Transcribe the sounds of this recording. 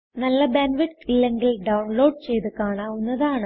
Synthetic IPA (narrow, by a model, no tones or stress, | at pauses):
nɐlːɐbenʋiʈilːeŋɡilɖɐwɳlo̞ːɖ̚t͡ɕe̞jt̪ɨkaːɳaːunːɐðaːɳɨ